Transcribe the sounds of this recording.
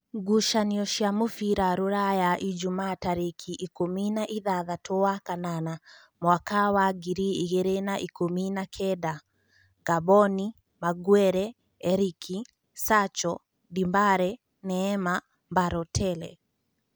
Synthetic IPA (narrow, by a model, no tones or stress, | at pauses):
ɡuʃaniɔʃiamufiɾaɾuɾajaʔid͡ʒumaːtaɾikʰiʔikominaʔiðaðatʰɔakanana | mwakawaɡiɾiiɣɛɾɛnaʔikuminakʰɛda | ɡ̥abɔni | maɡwɛɾɛ | ɛɾikʰi | sat͡ʃɔ | dimbaɾɛ | nɛːma | mbaɾɔtʰɛlɛ̰